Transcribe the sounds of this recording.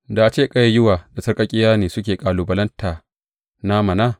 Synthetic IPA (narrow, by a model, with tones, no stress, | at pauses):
da˨ʔa˨t͡ʃeː˦˨kʼɐ˦ja˨jʊ˦waː˨da˨sɐ˦rkʼɐ˦kʲʼɪ˦jaː˦neː˨sʊ˦kʲeː˨kʼaː˨luː˨bɐ˨lɐ˦ntʰaː˨ | na˦mɐ˨naː˦